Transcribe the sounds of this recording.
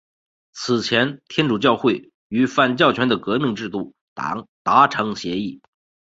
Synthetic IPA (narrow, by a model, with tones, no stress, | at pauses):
t͡sʰɹ̩˨˩t͡ɕʰjɛ˧˥nt̪ʰjɛ˥nʈ͡ʂu˨˩t͡ɕjɑ˥˧ʊxwe˥˩ɪ | y˧˥fa˥˩nt͡ɕjɑ˥˩ʊt͡ɕʰɥɛ˧˥nd̪ə˨kɤ˧˥mi˥˧ŋʈ͡ʂɻ̩˥˧t̪u˥˩ | t̪a̰˧˥ŋt̪a˧˥ʈ͡ʂʰɤ˧˥ŋɕjɛ˧˥i˥˩